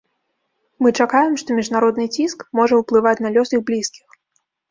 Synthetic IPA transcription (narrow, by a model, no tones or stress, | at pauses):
mɨt͡ʂakajɛmʂt̪ɔmʲiʐnaɾɔd̪nɨt͡sʲiskmɔʐɐwplˠɨvat͡sʲnalʲɔsiɣblʲiskʲix